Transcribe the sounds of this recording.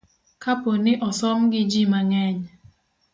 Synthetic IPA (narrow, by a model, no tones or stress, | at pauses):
kaponɪʔɔsɔmɡɪd͡ʒimaŋɛɲ